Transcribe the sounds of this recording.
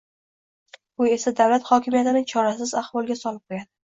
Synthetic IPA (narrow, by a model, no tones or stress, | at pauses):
bʊe̞sad̪awlat̪χɒkʲʰɪmijat̪ɪnɪt͡ʃʰɒɾasɪzahvɒlˠɡʲasɒlɪp̚qʰojʲad̪ɪ